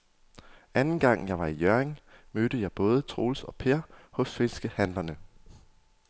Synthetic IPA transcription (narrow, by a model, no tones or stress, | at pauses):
ʔænn̩ɡ̥ɑ̈ŋ̰jɑ̈ɪʋɑ̈ijøɐeŋmød̥əjɑ̈ɪb̥ɔ̽ːð̞ˠət͡sʰʁo̝̰ːlsɒ̽pʰeɐ̰hɔ̽sfe̝nsɡ̥əhænlɐnə